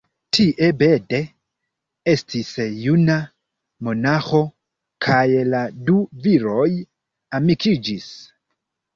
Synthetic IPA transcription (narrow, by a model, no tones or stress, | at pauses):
tʰiʔebede | estʰisjuna | mo̞naxo̞ | kʰajladuviɾo̞j | amikid͡ʒis